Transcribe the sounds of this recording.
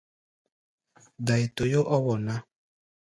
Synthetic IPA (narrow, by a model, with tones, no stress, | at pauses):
da˨i˨to˨jo˦ʔɔ˦wɔ˨nã˦